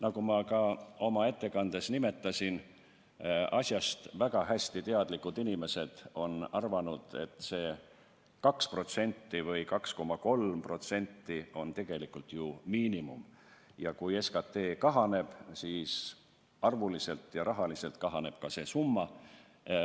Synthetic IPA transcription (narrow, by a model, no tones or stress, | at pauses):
nɑkumɑkɑo̞mɑe̞t̪ːe̞kɑnd̪̥e̞snime̞t̪ːˑɑsʲin | ɑsʲjɑst̪væɡ̥ɑɦæsʲt̪it̪e̞ɑd̪likːud̪inime̞se̞d̪̥o̞nɑrvɑnud̪̥e̞̰t̪ˑse̞ː | kɑkspro̞t̪se̞nʲt̪ːivɤjkɑksko̞mːɑko̞lmpro̞t̪se̞nʲt̪ːio̞nt̪e̞ɡ̥e̞likːult̪ˑjumiːnimṵmjɑkuje̞skɑt̪ːe̞ːkɑɦɑne̞b̥siːs | ɑrvulise̞lt̪jɑɾɑɦɑlise̞lt̪kɑɦɑne̞b̥̚kɑse̞ːsumːɑ